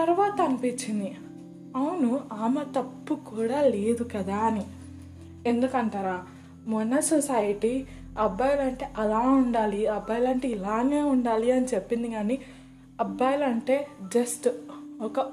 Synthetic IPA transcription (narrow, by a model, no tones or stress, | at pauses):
t̪ɐɾʋaːt̪ɐɐmpit͡ʃːind̪i | ɐwunuaːmɐt̪ɐpːukuːɽaːle̞ːd̪ukɐd̪aːni | e̞nd̪ukɐɳʈaːɾaː | mɔnːɐsosajɐʈi | ɐbːɐjɐlɐɳʈe̞ːʔɐlaːuɳɖaːliɐbːɐjlɐɳʈe̞ːilaːŋeːuɳɖaːliɐnit͡ʃepːind̪iɡaːni | ɐbːɐjlɐɳʈe̞ːd͡ʒɐsʈɔkɐ